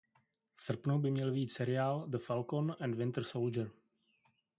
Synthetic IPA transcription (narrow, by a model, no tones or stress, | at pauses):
sr̩pnowbɪmɲɛlviːt̪sɛɾɪaːld̪əfalkonɛndvɪnt̪ɾsold͡ʒəɾ